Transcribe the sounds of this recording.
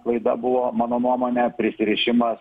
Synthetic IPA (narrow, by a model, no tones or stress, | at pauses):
lˠɐɪd̪ɐ̰bʊʋoːmɑːnoːnuɔmoːnʲɛpʲɾʲɪsʲɪɾʲɪʃʲɪmɐs